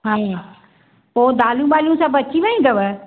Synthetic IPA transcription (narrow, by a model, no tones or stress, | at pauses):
ɦã | poːd̪aːljũɓaːlijũsãbɐt͡ɕiʋɐĩɡ̪ɐʋə